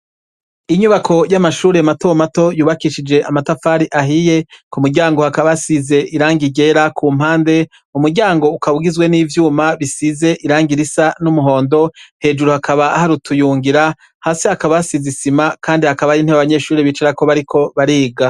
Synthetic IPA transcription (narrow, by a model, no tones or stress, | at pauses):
iɲuβakʰo̞jamaʃuːɾe̞mato̞mato̞juːβakiʃid͡ʒe̞ʔamatafaːɾiʔaɦije̞kumuɾɟaːŋɡo̞hakaβasize̞ʔiɾaːŋɡiɟe̞ɾakʰuːm̥haːnde̞ | umuɾɟaːŋɡo̞ukaβuɡizwe̞niːvjuːmaβisize̞ʔiɾaːŋɡiɾisanumuɦo̞ːndo̞he̞ːd͡ʒuɾuhakʰaβaːhaɾutʰujuːŋɡiɾa | haːseakaβasizisimakʰaːndihakaβajiːn̥eβaβaɲe̞ːʃuːɾeβit͡ʃeɾako̞βaɾikʰo̞βaɾiːɡa